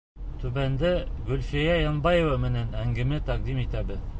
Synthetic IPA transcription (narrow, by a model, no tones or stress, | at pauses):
t̪ʉβænd̪ɘɡɵ̆lfijæjɑnbɑjĕvɑmɘ̆nænæŋɡɘ̆mɘt̪æq̚d̪imit̪æbɘð